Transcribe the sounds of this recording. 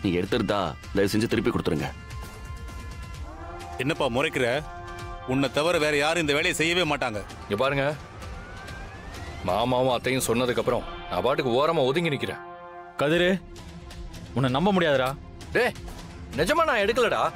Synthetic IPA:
niːŋɡɐɛɽɯt̪ːɯɾɯt̪a̰ː | d̪ɐjɐsɛɲd͡ʒɐt̪ɪɾɯp̬ːikɔɽɯt̪ːɯɾɯŋɡɐ | ɛnːɐpːaːmʊɾɐɪkːɪɾɛ | ʊnːɐt̪ɐʋɐɾɐʋeːɾɐjaːɾɯ̃ɪnd̪ɐʋeːɭɐjɐsɛjːɐʋeːmaːʈːaːŋɡɐ | ɪŋɡɐpaːɾɯŋɡɐ | maːmaːʋɐ̃ɐt̪ːɐjʊ̃sɔnːɐðɯkːɐpːɯɾɔ̰̃nã̰ːpaːʈːɯkːɯoːɾɐmãːɔðɪŋɡɪnɪkʲːɪɾḛ̃ː | kɐðɪɾe | ʊnːɐnɐmbɐmʊɽɪjaːðɐɾaː | d̪eː | nɪd͡ʒɐmaːnãːɛɽɯk̬ːɐlɐɽaː

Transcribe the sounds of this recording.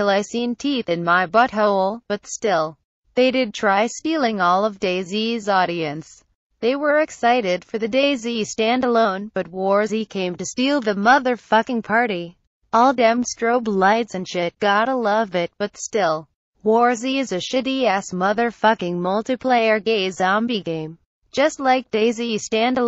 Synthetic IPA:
tʰɪlˠaɪsĩntʰiθɨ̃nmaɪbʌt̚ɦoʊlˠb̥ʌtstɪlˠ | ðeɪɾɨd̚tʰɹ̥aɪstilˠɪ̃ŋɔlˠʌvdeɪzizɔɾiɨ̃ns | ðeɪwə˞ɨksaɪɾɪd̥fə˞ðɨdeɪzistæ̃ndəlõʊ̃nb̥ʌt̚wɔɹzikʰẽɪ̃mtɨstilˠðɨmʌðə˞fʌkɪ̃ŋpʰɑɹɾi | ɔlˠdɛ̃mstɹ̥oʊblaɪdzɨ̃nʃɪt̚ɡ̥ɑɾəlʌvɪt̚b̥ʌtstɪlˠ | wɔɹziɨzɨʃɨɾiɛsmʌðə˞fʌkɪ̃ŋmʌlˠtɨpʰl̥eɪə˞ɡeɪzɑ̃mbiɡẽɪ̃m | d͡ʒ̥ʌstˡlaɪk̚d̥eɪzistæ̃ndə

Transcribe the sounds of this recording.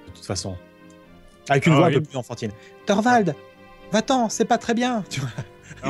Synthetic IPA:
d̪ət̪u̥t̪fasɔ̃ | avɛkynvvwaɛ̃pøplyzɑ̃fɑ̃t̪in | t̪ɔʁvald̪ | vat̪ɑ̃sɛpat̪χɛbjɛ̃t̪yvwa

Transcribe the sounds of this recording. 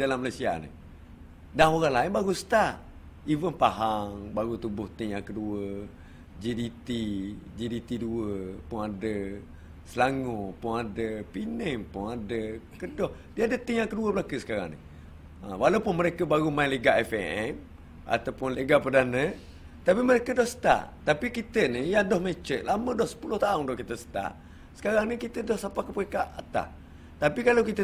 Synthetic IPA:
dalamːəlasia̰nḭ | daŋoɾalaɪnbaɣusə̥t̪a | ivənpaɦaŋbaɣut̪ubʊht̪iŋakəduə | d͡ʒidit̪id͡ʒidit̪iduəpʊŋadə | səlaŋʊpʊŋadəpinəŋpʊŋadə | kədɔh | diəadət̪əŋakːəduəbəlakəsə̥kaɾa̰ŋnḭ | a̰walawpʊnməɾekəbaɾumaileɡaʔɛfḛɛm | a̰t̪awpʊnleɡapədanə | t̪apiməɾekədɔhsə̥t̪a̰ʔt̪apikit̪ənijadɔhmet͡ʃəʔlamə̃dɔhsə̥pulʊht̪aʊŋdɔhkit̪əsə̥t̪a̰ʔ | sə̥kaɾaŋnikit̪ədɔhsapakəpəekaʔat̪a̰h | t̪apikalawkit̪ə

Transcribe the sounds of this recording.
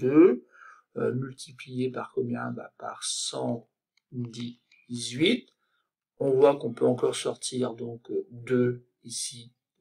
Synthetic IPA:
dø | ø̰mylt̪ʰiplijepaʁkɔmjɛ̃ba̰pa̰ʁsɑ̃ | d̪i | zɥit̪ | ɔ̃vwakɔ̃pøɑ̃kɔʁsɔʁt̪ʰiʁd̪ɔ̃kd̪ø | isi

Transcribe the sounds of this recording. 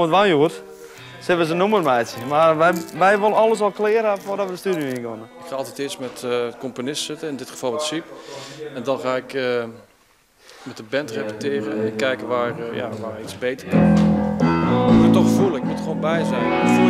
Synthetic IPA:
mətʋanjuət | sɪʋəs̬ənumərmɛːsjəmarʋɛʋɛjʋoləɔlˠəsɔlˠklɪəɾafʊdɔtʋədəstydjoinɡonəɪkxaːɔlˠtɛtɪsmɛtəkomponɪstsɪtəɪndɪtxə̥vɔlˠʋɛtsipɛndɔnxaːɪkə | mɛtəbɛntrepətɪːrəkɛjkəʋaːrja̰ʋaːisbeːtərkən | muttɔxfulˠəɪkmutxʋoːnbɛjzɛjn

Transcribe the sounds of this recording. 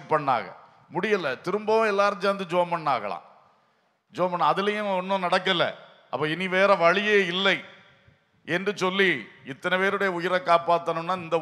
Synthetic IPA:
pɐɳːa̰ːɣɐ̰ | mʊɽɪjɐlːɐt̪ɪɾɯmbɐʋʊ̃ɛlːaːɾɐd͡ʒɐːɐnd̪ɯd͡ʒoːmbɐɳːaːɣɐ̰ɭã̰ː | d͡ʒoːmbɐnːaɐðɪlɐjɐ̃ɔnːõnɐɽɐk̬ːɐlːɐ̰ | ʔɐ̰pːoːɪniʋeːɾɐʋɐɻɪjeːɪlːɐɪ | ɛndrɯsɔlːiɪt̪ːɐnɐpeːɾɯɽɐjɐʊjɪɾɐkːaːpaːt̪ːɐnɯnːaːɪnd̪ɐ

